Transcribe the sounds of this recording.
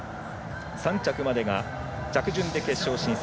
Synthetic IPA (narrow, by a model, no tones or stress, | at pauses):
sãɲ̟t͡ɕakɯ̟mad̪e̞ɡa | t͡ɕakɯ̟ʑɨ̃nd̪e̞ke̞ɕːo̞ːɕĩɰ̃s